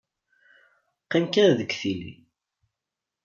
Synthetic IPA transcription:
qːimkæɾðəkθilḭ

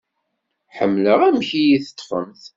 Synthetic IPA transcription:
ħə̰mːləʁæmçijiθə̥t̪ˤːfə̰mθ

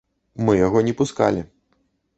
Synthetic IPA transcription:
mɨjaɣɔnʲɛpuska̰lʲi

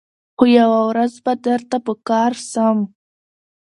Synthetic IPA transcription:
xojawawɾazbad̪əɾt̪apəkɑɾsəm

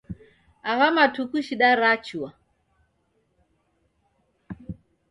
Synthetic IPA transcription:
aβamatukuʃiɗaɾat͡ʃua

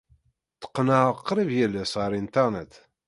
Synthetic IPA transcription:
t̪ːə̥qːnəʁəqːɾivjælːæsʁəɾint̪ɑʁnət̪

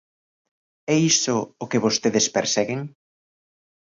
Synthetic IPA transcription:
ɛisʊːkeβost̪eðespeɾsɛɣeŋ

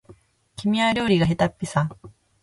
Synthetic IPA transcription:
kʲimʲiaɾʲo̞ːɾʲiɡaɦet̪apʲːisa

